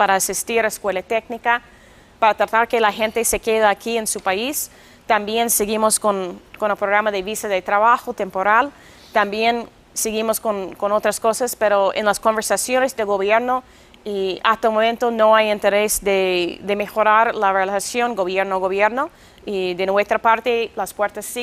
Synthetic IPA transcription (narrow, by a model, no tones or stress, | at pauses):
paɾaːsist̪iɾaeskwe̞lat̪eknika | paɾat̪ɾat̪aɾkelaxe̞nt̪ese̞keðaakiensupais | t̪ambjenseɣimoskonkonepɾoɣɾamaðeβisaðet̪ɾaβaxot̪empoɾal | t̪ambje̞n | seɣimoskonkonot̪ɾaskosaspeɾoḛnlaskombeɾsasjonezðeɣo̞βjeɾno | iast̪aumoment̪ono̞ajent̪eɾesd̪ed̪emexo̞ɾaɾlarelasjo̞nɡo̞βjeɾnoɣoβjeɾno | iðenwe̞st̪ɾapaɾt̪elaspweɾt̪asːi